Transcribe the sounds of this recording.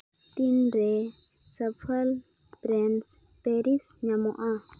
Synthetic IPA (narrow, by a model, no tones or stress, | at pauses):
tindɛsapʰal | b̥rɛnspeɾisɲamɔ̰ʔa